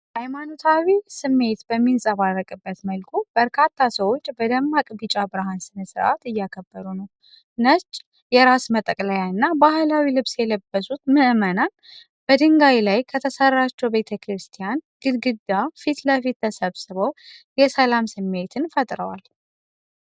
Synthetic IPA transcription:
ʔajmanot̪ʰawisɨmːe̞t̪bəmːinsʼəβarːəkʼɨbːət̪məlkʰub̥əɾkʰat̪ʰːasəwo̞t͡ʃːbəd̪əmːakʼbit͡ʃʼabɾaɦansɨnəsɨɾʔa̰t̪ɨjːakʰəbːəɾunəw | nət͡ʃːʼ | jɛɾasmət̪ʼəkʼlajaɨnːabahlawilɨβsjɛləbːəsut̪mɨʔmənan | b̥əd̪ɨŋɡawlajkʰət̪ʰəsərːat͡ʃːɛwbe̞t̪ʰəkʰɾɨst̪ʰijanɡ̥ɨɡɨd̪ːafit̪ləfit̪t̪ʰəsəβsɨβəwjɛsəlamsɨmːe̞t̪ʰɨnfət̪ʼɾəwal

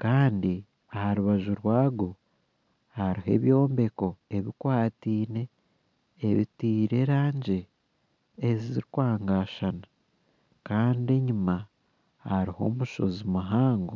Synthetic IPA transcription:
kaːndi | ahaɾuβaʒuɾwaːɡo̞ | haɾihe̞̰βjo̞ːmbe̞ko̞e̞βikwaːtiːne̞ː | βitiːɾe̞ɾaːɲɟe̞ː | ziziɾikwaːŋɡaːʃana | kaːndie̞ɲima | haɾiho̞̰ːmuʃo̞̰zimuɦaːŋɡo

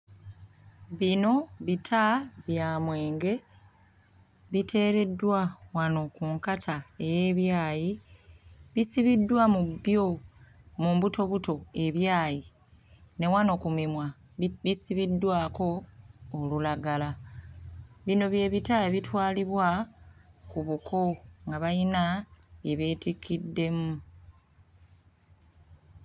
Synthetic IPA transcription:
βino̞βitʰaβjaːmwe̞ːŋɡe̞ | βitʰe̞ːɾe̞dːwawano̞kuŋkatʰae̞je̞βjaːji | βisiβidːwamubjo̞ | muːmbuto̞βuto̞e̞βjaːji | ne̞wano̞kumimwa | βisiβidːwaːko̞ː | lulaɡala | βino̞βje̞ːβitaeβitwaːliβwa | kuβukʰo̞ŋɡaβajinaβje̞βeːtikːidːe̞mu

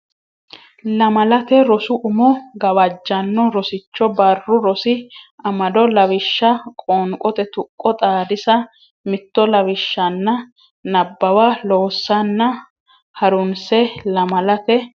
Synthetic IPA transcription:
lɐmɐlɐt̪ɛɾɔsʊʔʊmɔɡɐwɐd͡ʒːɐnːɔɾɔsɪt͡ʃːɔbɐrːʊɾɔsɪɐmɐd̪ɔlɐwɪʃːɐkʼoːŋkʼɔt̪ɛt̪ʊkʼːɔt̪ʼaːd̪ɪsɐ | mɪt̪ːɔlɐwɪʃːɐnːɐ | nɐbːɐwaloːsːɐnːɐ | hɐɾʊnsɛlɐmɐlɐt̪ɛ

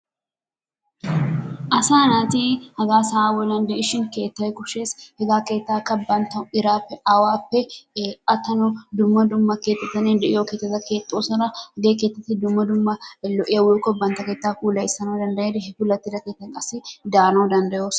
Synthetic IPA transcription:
ʔɐsaːnaːt̪ihɐɡaːsaːwɔlɐnd̪ɛʔɪʃɪnke̞ːt̪ːɐwɛkʼʊʃe̞ːshɛɡaːke̞ːt̪ːaːkːɐbːɐnt̪ɐɪɾaːpːɛʔɐwaːpːɛʔɐt̪ːɐnɔd̪ʊmːɐd̪ʊmːɐkeːt̪ːɛt̪ːɐneːnd̪ɛʔɪjoːkeːt̪ːɛt̪ːɐke̞ːt̪ʼːoːsɐnɐhɐɡeːkeːt̪ːɐt̪ːɪd̪ʊmːɐd̪ʊmːɐlɔʔɪjɐwokɔbɐnt̪ɐkeːt̪ːaːkuːlɐjsɐnoːd̪ɐnd̪ɐjeːd̪ɦɛkʊlːɐt̪ːɪdɐkeːt̪ːɐŋkʼɐsɪd̪aːnoːd̪ɐnd̪ɐjoːs

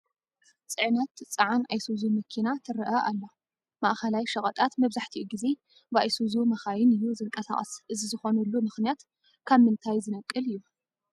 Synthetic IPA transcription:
t͡sʼɨʕnɐt̪t͡sʼɐʕanajsuzumɨkʰinat̪ʰɨɾɨʔɐʔalːo | maʔxɐlajʃɐkʼɐt̪ʼat̪mɐβzaħt̪ʰiʔuɡize̞ | bajsuzumɐxajɪnɨjːuzɨŋkʼɐsa̰χʼɐ̰sʔɨzizɨxo̞nɐlːumɨxnijat̪ | kʰaβmɨnt̪ʰajzɨnɐkʼːɨlɨjːu

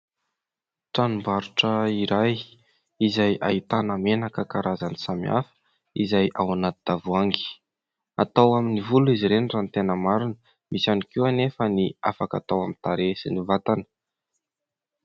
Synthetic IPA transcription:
ʈ͡ʂanumbaɾuʈ͡ʂəiɾaj | izaja̰it̪anəmenakəkaɾʔazanisamia̰fə̥ | izajʔawanat̪id̪̥avuaŋɡi̥ | at̪awaminivuluiziɾenrant̪enəmaɾinə | mʔisanikiwanefəniafaka̰t̪awamint̪aɾesinivat̪anə̥

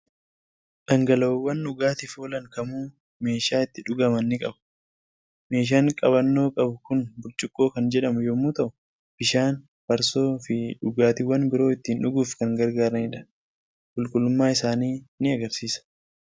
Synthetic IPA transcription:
ᶑɐŋɡɐlɐːwːɐnᶑʊɡaːt̪ɪfoːlɐŋkɐmuː | me̞ːʃaːɪt̪ːɪᶑʊɡɐmɐnːɪkʼɐbɐ̥ | me̞ːʃ̬aːŋkʼɐbɐnːo̞ːkʼɐbʊkʊnbʊɾt͡ʃʼɪkʼːo̞ːkɐnd͡ʒɛᶑɐmʊjomːuːt̪ɐʔʊ | b̥ɪʃaːn | b̥ɐɾso̞ːfɪᶑʊɡaːt̪ɪwɐnbɪɾo̞ːɪt̪ːiːnᶑʊɡuːfkɐŋɡɐɾɡaːɾɐnɪᶑɐ̥ | kʼʊlkʼʊlːʊmːaːɪsaːniːnɪɐɡɐɾsiːsɐ̥

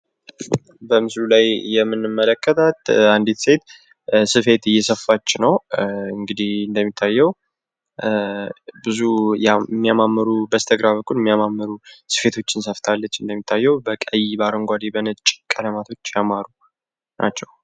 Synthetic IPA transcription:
bəmɨslulajjɛmːɨnːɨmːələkʰːət̪ʰət̪and̪it̪se̞t̪ | sɨfe̞t̪ɨjːɛsəfːat͡ʃːnəwɨŋɡɨd̪ihɨnd̪əmːit̪ʰːajːɛw | bɨzujamːijamamːəɾubəst̪ʰəɡɾaβəkʼːulɛmːijamamːəɾusɨ̥fe̞t̪ʰo̞t͡ʃːɪnsəft̪ʰalːət͡ʃːɨnd̪əmːit̪ʰːajːɛwbəkʼəjbaɾəŋɡʷad̪ebənət͡ʃʼkʼələmat̪ʰo̞t͡ʃːjamaɾu | nʔat͡ʃːɛw

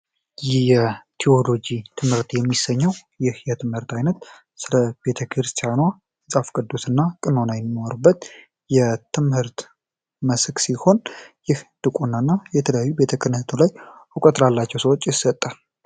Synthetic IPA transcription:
jɛt̪ʰio̞lo̞d͡ʒit̪ʰɨmhɨɾt̪jɛmːisːəɲːəwjɪhjɛt̪ʰɨmhɨɾt̪ajnət̪ | sɨləbe̞t̪ʰəkʰɾɨst̪ʰijanwa | ɨsʼafkʼɨd̪ːosɨnːakʼɨnonajɛmːwoɾɨbːət̪ | jɛt̪ʰɨmhɨɾt̪ | məsksiho̞njɪhd̪̥ɨkʼunːanːajɛt̪ʰələjajːube̞t̪ʰəkʰɨɾnht̪ʰulajukʼət̪ʼɾalːat͡ʃːɛwsəwot͡ʃʼːjɪsət̪ʼːə

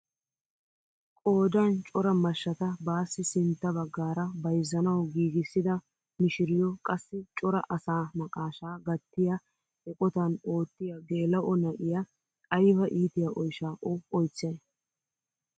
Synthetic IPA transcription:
kʼo̞ːd̪aːnt͡ʃʼɔɾɐmɐʃːɐt̪ɐbaːsːɪsɪnt̪ːɐbɐɡːaːɾɐbɐjzːɐnɐwɡiːɡɪsːɪd̪ɐ | mɪʃɪɾɪjɔkʼɐsːɪt͡ʃʼɔɾɐ̰ʔɐsaːmɐkʼaːʃaːɡɐt̪ːɪja | ɛkʼɔt̪ɐno̞ːt̪ːɪjɐɡeːlɐʔɔnɐʔɪjɐ | ɐjfɐʔiːt̪ɪjɐʔɔjʃaːʔɔɔjt͡sːɛn

